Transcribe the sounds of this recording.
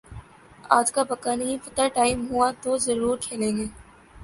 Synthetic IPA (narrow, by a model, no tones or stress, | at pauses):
a̰ːd͡ʒkapɐkaːnijifɐt̪əɾʈaːɪmɦuat̪ozɐɾuːɾkʰeːlẽːŋɡeː